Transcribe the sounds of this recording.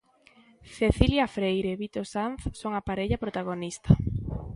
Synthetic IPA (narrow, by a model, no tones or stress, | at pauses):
θeθiljafɾejɾeβit̪osanθsoŋapaɾeʎɐpɾot̪aɣ̞onist̪ɐ